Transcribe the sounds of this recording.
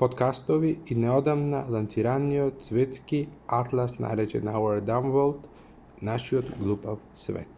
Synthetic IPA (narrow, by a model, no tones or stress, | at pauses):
pot̪kast̪oʋiinɛod̪amnalˠant̪siɾaniot̪sʋet̪skiat̪lˠasna̰jɾɛt͡ʃɛ̰nauɛɾd̪amvolˠt̪ | naʃiod̪ɡlˠupafsʋḛt̪